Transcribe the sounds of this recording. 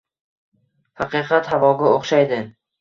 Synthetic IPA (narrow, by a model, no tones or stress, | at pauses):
hɑqɨqʰɑt̪havɒɡʲaoχʃajd̪ɪ